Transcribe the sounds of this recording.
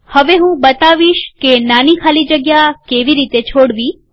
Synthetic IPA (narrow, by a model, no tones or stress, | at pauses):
həʋeɦũbət̪aʋiʃkenanikʰalid͡ʒəɡjakeʋiɾit̪et͡ʃʰoɽʋi